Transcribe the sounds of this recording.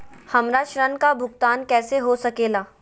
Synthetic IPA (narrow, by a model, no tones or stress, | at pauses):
hɐmɾaʃɾənkabʱʊɡt̪aːnkɛːseɦosɐkeːlaː